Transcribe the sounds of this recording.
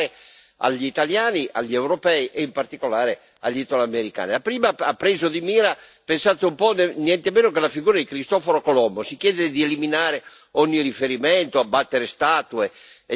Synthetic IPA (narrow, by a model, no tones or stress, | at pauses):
e | a̰ʎːiit̪aljaːniʔa̰ʎːiewɾopɛiʔeimpart̪ikolaːɾe | a̰ʎːit̪olameɾika̰ːnilapɾiːmaapːɾeːzod̪imiːɾapensaːt̪eumpɔnnjɛnt̪emeːnokelafiɡuːɾad̪ikɾist̪ɔfoɾokolɔmːosikjɛːd̪ed̪ieliminaːɾe | ɔɲːirifeɾimɛnt̪oabːat̪ːeɾest̪aːt̪ue